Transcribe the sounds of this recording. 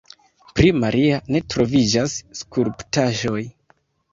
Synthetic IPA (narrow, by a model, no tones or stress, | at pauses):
pɾimaɾʔiane̞tɾo̞vid͡ʒasːkuɾptaʒo̞j